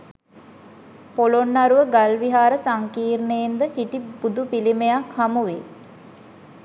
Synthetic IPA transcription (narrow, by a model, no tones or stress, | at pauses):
polonːaɾuʋəɡalʋiɦaːɾəsaŋkiːrnəend̪əhiʈibud̪upilimejakhamuʋe